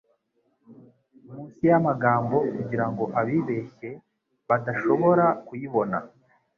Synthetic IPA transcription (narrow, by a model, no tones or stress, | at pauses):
umũːnsijamaɡaːmbo̞kuɟiɾaŋɡo̞ʔaβiːβe̞çe̞ | βadaʃo̞βo̞ɾakujiβo̞na